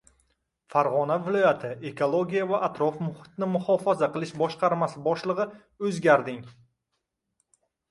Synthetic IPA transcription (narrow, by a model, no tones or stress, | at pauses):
faɾʁɒnavɪlˠɒjat̪ʰɪʔe̞kʰolˠoɡʲijavaʔat̪ɾɒfmʊhɪ̥t̪nɪmʊhɒfazaqɨlˠɪʃbɒʃqʰɑɾmasɪbɒʃlˠɨʁɨ | ɵzɡʲaɾd̪ɪŋ